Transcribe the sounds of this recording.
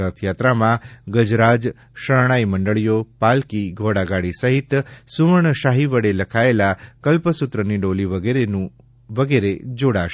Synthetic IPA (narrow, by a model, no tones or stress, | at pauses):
ət̪ʰjat̪ɾamãɡəd͡ʒɾad͡ʒ | ʃəɭɳ̃aiməɳɖəɭijopalkiɡʱoɽaɡaɽisəɦit̪suʋəɳʃaɦiʋəɽeləkʰaelakəlpəsut̪ɾəniɖoliʋəeɾenũ | ʋəɡeɾed͡ʒoɽaʃ